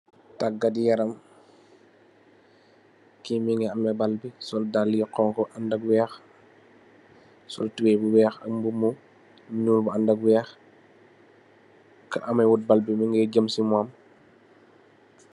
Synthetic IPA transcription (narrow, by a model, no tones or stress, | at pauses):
taɡɐdijɐɾɐm | kimiŋɡɛɐmɛbalbisɔldalːjɔqɔŋkɔʔandɐɡwɛːx | sɔ̰ltuwɛbuwɛːxɐ̰mbumu | ɲuːlbuandɐɡwɛːx | kɐʔɐmɐjwut̚balbimiŋɡɛɟəmsimwam